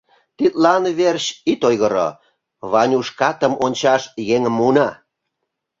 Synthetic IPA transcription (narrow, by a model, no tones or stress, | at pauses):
t̪it̪lɑnβerɕit̪ojɣəɾo̰ | βɑnʲuʃkɑt̪əmonʲt͡ɕɑʃjeŋəmːunɑ